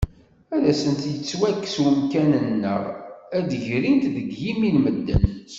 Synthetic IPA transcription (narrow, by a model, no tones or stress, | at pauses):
æðæsənt̪jət͡sːwækːswəmkænənnːə̰ʁæd̪əʝɾint̪ðəɡːimilməd̪ːə̰n